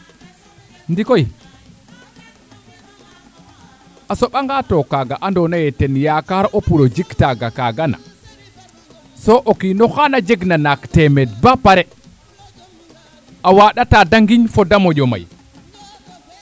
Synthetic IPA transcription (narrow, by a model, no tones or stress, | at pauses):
ndikɔj | ʔasɔɓaŋɡatɔkaɡaʔandɔnajɛtɛnjakaɾʔɔpuɾɔd͡ʒiktaɡakaɡana̰ | sɔʔokinɔxanad͡ʒeɡnanaktɛmɛdbapaɾɛ | ʔawaɗatadaŋɡiɲfɔdamɔd͡ʒɔma̰j